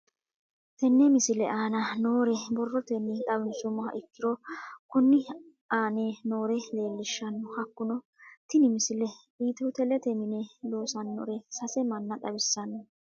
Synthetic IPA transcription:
t̪ɛnːɛmɪsɪlɛʔaːnɐno̞ːɾɛbɔrːɔt̪ɛnːɪtʼɐbɪnsʊmɔɐ̰ʔɪkːɪɾɔkʊnːɪ | aːneno̞ːɾɛle̞ːlːɪʃːɐnːɔhɐkːʊnɔ | t̪ɪnɪmɪsɪlɛbiːt̪ɛʊt̪ɛlɛt̪ɛmɪnɛlo̞ːsɐnːɔ̰ɾɛsɐsɛmɐnːɐᶑʼɐbɪsːɐnɐ

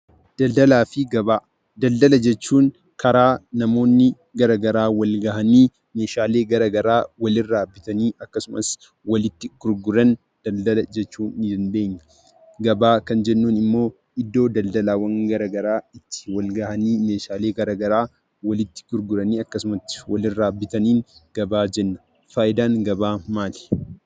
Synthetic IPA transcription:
d̪̥ɐld̪ɐlaːfɪɡɐbaː | d̪ɐld̪ɐlɐd͡ʒɛt͡ʃːuːŋ | kʰɐɾaːnɐmo̞ːnːɪ | ɡɐɾɐɡɐɾaːwɐlɡɐhɐniː | me̞ːʃaːle̞ːɡɐɾɐɡɐɾaːwɐlɪrːaːbːɪt̪ɐniːʔɐkːɐsʊmʔɐ̰s | wɐlɪt̪ːɪɡ̥ʊɾɡʊɾɐn | d̪̥ɐld̪ɐlɐd͡ʒɛt͡ʃːuːnːɪd̪ɐnbe̞ːɲːɐ | ɡɐbaːkɐnd͡ʒɛnːuːnɪmːo̞ː | ɪd̪ːo̞ːd̪ɐld̪ɐlaːwɐŋɡɐɾɐɡɐɾaːɪt̪ːɪ̥wɐlɡɐhɐniːmeːʃaːle̞ːɡɐɾɐɡɐɾaː | wɐlɪt̪ːɪ̥ɡʊɾɡʊɾɐniːɐkːɐsʊmɐt̪ːɪ̥wɐlɪrːaːbːɪt̪ɐniːŋɡ̥ɐbaːd͡ʒɛnːɐ̥ | faːʔɪd̪aːŋɡɐbaːmaːlɪ̥

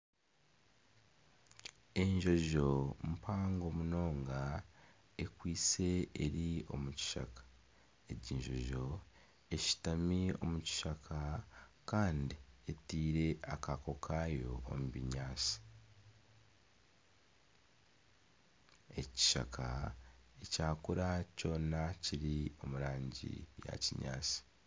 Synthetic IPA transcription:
e̞ɲʒo̞ʒo̞mupʰaːŋɡo̞muno̞ːŋɡa | e̞kwiːt͡se̞ːɾio̞̰muci̥ʃa̰kḁ | eɟiɲʒo̞̰ʒo̞ | e̞ʃi̥tamio̞̰muci̥ʃakʰakaːndietiːɾe̞akako̞kʰaːjo̞̰ːmuβiɲaːt͡si̥ | e̞ci̥ʃa̰kʰa̰ecaːkuɾaco̞ːnaciɾio̞muɾaːɲɟḭja̰ciɲa̰ːt͡si̥

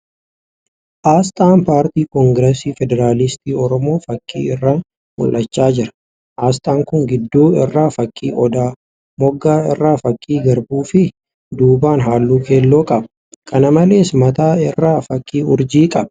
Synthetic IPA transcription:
ʔaːst̪ʼaːnpaːɾt̪iːkɔŋɡɾɛsiːfɛd̪ɛɾaːlɪst̪iːɔɾɔmo̞ːfɐkʼːḭːɪrːaːn | mʊ̰lʔɐt͡ʃːaːd͡ʒɪɾɐ̥ | ʔaːst̪ʼaːŋkʊŋɡɪd̪ːuːɪ̰rːaːfɐkʼːḭːʔɔd̪aː | mɔɡːaːɪ̰rːaːfɐkʼːiːɡɐɾbuːfɪ | d̪uːbaːnɦaːlːuːke̞ːlːoːkʼɐbɐ | kʰɐnɐmɐle̞ːsmɐt̪aːɪrːaːfɐkʼːiːʊ̰ɾd͡ʒiːkʼɐbɐ̥

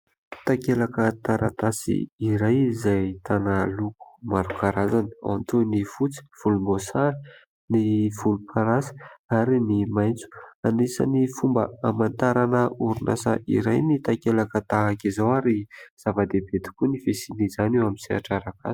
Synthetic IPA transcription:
t̪akelakət̪aɾat̪asḭiɾajizajt̪analuku̥maɾukaɾazanə̥a̰nt̪unifut͡si̥v̥ulumbosaɾi | niv̥ulupʰaɾasə̥aɾinimajnt͡su̥anisa̰nifumbə̰amant̪aɾanəuɾunʔa̰sa̰ʔḭɾajnit̪akelakət̪aɦakizawaɾiz̥avad̪ebet̪i̥kunifesinizanewamisia̰ʈ͡ʂaɾaka̰si̥

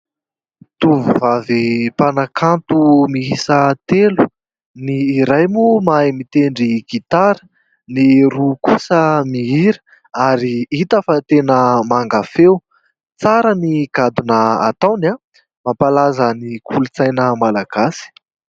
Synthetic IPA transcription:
t̪uvuvavipanakʰant̪umiisət̪elu | niːɾajmumajmit̪eɳɖ͡ʐiɡit̪aɾə̥ | niɾukusəmiiɾə̥ | aɾiit̪afət̪enəmaŋɡafew | t͡saɾəniɡad̪unəa̰t̪awna | mapalazənikʰulut͡sajnəmalaɡ̥asi̥

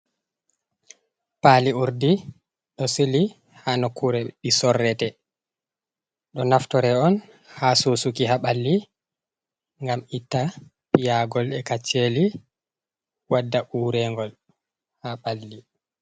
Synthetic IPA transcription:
paːliuɾdi | ɗɔseli | hanɔkʰuɾɛɓisɔrːɛtɛ | ɗɔnaftɔɾɛɔn | hasosukiɦaɓalːi | ŋɡamitːa | pijaɡɔlɛkat͡ʃːeli | wadːaʔuɾɛŋɡɔl | haɓalːi

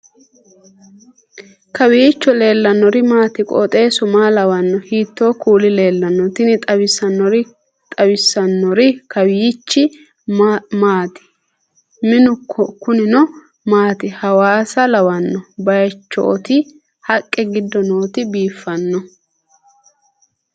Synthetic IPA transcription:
kɐwɪjɪt͡ʃːɔle̞ːlːɐnːɔɾɪmaːt̪ɪkʼo̰ːt̪ʼe̞ːsʊmaːlɐwɐnːɔhiːt̪ːo̞ːkuːlɪle̞ːlːɐnːɔt̪ɪnɪt̪ʼɐwɪsɐnːɔɾɪ | t̪ʼɐwɪsːɐnːɔɾɪkɐwɪjɪt͡ʃːɪ | maːt̪ɪ̥ | mɪnʊkʰːɔkʊnɪnɔ | maːt̪ɪhɐwaːsɐlɐwɐnːɔbɐjɐt͡ʃːɔ̰ʔɔt̪ɪ | hɐkʼːɛɡɪd̪ːɔno̞ːt̪ɪbiːfːɐnːɔ

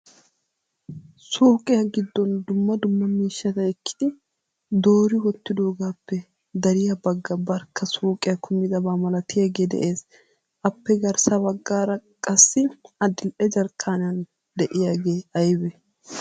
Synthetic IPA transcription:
soːkʼɪjɐɡɪd̪ːɔnd̪ʊmːɐd̪ʊmːɐmiːʃːɐt̪ɐɪkːɪ̥d̪̥ɪ | d̪o̞ːɾɪwɔt̪ːɪd̪o̞ːɡaːpːɛ | d̪ɐɾɪjɐbɐɡːɐbɐɾkʰːɐsoːkʼɪjɐkʰʊmːɪd̪ɐbaːmɐlɐt̪ɪjaːɡe̞ːd̪ɛ̰ʔe̞ːs | ʔɐpːɛɡɐɾsɐbɐɡːaːɾɐkʼɐsːɪɐd̪ɪlʔɛd͡ʒɐɾkʰːaːnɪjɐn | d̪ɛʔɪjaːɡe̞ːɐjbɛ

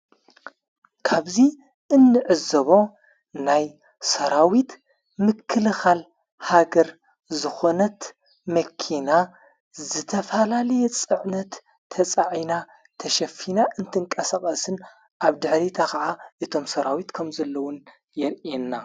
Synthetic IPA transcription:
kʰaβzi | ʔɨnːɨʕɨzɐβo̞ | naj | sɐɾawit̪ | mɨkʰːɨlɨxal | haɡɐɾ | zɨxo̞nɐt̪ | mɐkʰina | zɨt̪ʰɐfɐlalɐjɛt͡sʼɨʕnɐt̪ʰː | ɐt͡sʼaʕina | t̪ʰɐʃɐfinaʔɨnt̪ʰɨŋkʼɐsakʼɐsɨn | ʔaβd̪ɨħɾit̪ʰakɐʕaʔɨt̪ʰo̞msɐɾawit̪kʰɐmzɐlːɐwʊn | jɛɾʔɛnːa

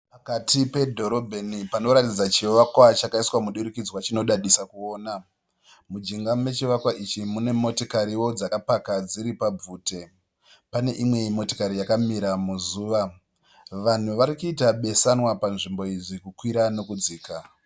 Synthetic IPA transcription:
pakatipe̞dʱo̞ɾo̞bʱe̞nipano̞ɾatid͡zat͡ʃiʋakwat͡ʃakaiswamuɗuɾikid͡zwat͡ʃino̞ɗaɗisakuoːna | mud͡ʒiŋɡame̞t͡ʃiʋakwaʔit͡ʃimune̞mo̞tokaɾiwo̞d͡zakapakad͡ziɾipab͡vuːte̞ | pane̞ʔimwe̞mo̞tokaɾijakamiɾamuzuːʋa | ʋan̤uʋaɾikuitaɓe̞sanwapanʐimbo̞iʐikukwiɾano̞kud͡ziːka

